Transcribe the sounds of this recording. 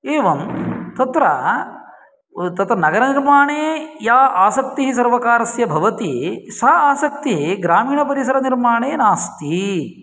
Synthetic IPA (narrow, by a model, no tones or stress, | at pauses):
eːʋɐmt̪ɐt̪ɾɐ | t̪ɐt̪ɾɐnɐɡɐɾɐniɾmaːɳeːjaːʔaːsɐk̚t̪iɦis̬ɐɾʋɐkaːɾɐsjɐbʱɐʋɐt̪isɐaːsɐk̚t̪iɦiɡɾaːmiːɳɐpɐɾisɐɾɐniɾmaːɳeːnaːst̪i